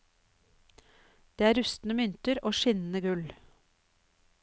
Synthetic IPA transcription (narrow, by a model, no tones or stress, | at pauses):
d̪̥eːæːɾʉst̪n̩əmʏnt̪əɾʔoːʃɪnn̩əɡʉl